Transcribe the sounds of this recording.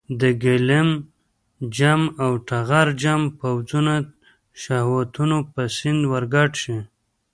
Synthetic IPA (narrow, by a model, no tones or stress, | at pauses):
d̪əɡɪlɪm | d͡ʒamawʈaɣaɾd͡ʒampawd͡zuna | ʃahwat̪unopəsɪnd̪waɾɡɑʈʃi